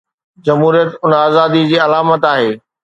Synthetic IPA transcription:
d͡ʑɐmɦuːɾijət̪ʊnaːzaːd̪id͡ʑiːɐlaːmət̪aːɦeː

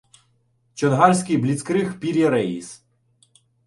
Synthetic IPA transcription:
t͡ʃɔnɦɑrʲsʲkɪjblʲit̪skɾɪxpʲiɾʲjɐɾɛis

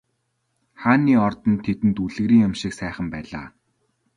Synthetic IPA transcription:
χaːniːɔrt̪ɞ̆nt̪ʰet̪ɘ̆nt̪uɮɘ̆ɣɾiːŋjamʃɪksæːχə̆mpæːɮa̰ː

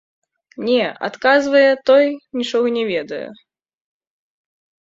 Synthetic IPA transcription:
nʲɛʔa̰t̪kazvɐjɛt̪ɔjnʲit͡ʂɔɣɐnʲɛvʲɛd̪ɐjɛ̰

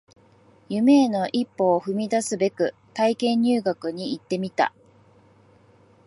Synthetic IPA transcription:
jɯme̞ːno̞ʔipːo̞ːɸɯ̟mʲid̪asɨbe̞kɯ̟t̪aikẽ̞ɲ̟ːɨːɡakɯ̟ɲ̟iːit̪ːe̞mʲit̪a̰

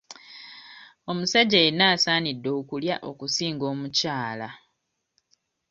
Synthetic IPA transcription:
o̞musaɟeːnaːsaːnidːo̞ːkulja̰ʔo̞kusiːŋɡo̞ːmucaːla

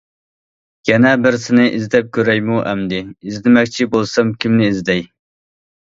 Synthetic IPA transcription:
ɡ̥ʲɛnɛbɪɾsɪnɪʔizd̪ɛp̚kʲʰøɾɛjmuʔɛmd̪ɪːzd̪ɪmɛkʲt͡ʃʰibolˠsɛmkʲʰimnɪizd̪ɛj

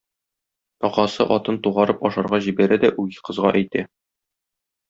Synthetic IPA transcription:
t̪ɒqɑsɤʔɒt̪ɤnt̪uʁɑɾɤpɒʃɑɾʁɑʑibæɾæd̪æʔujqɤ̆zʁɑʔæjt̪æ

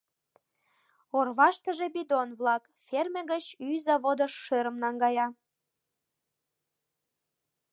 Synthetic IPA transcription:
orβɑʃt̪əʒebid̪onβlɑk | fermʲeɡət͡ɕyzɑβod̪əʃːøɾəmnɑŋɡɑjɑ

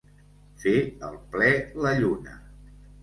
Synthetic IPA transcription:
feəlˠplɛləʎunə̰

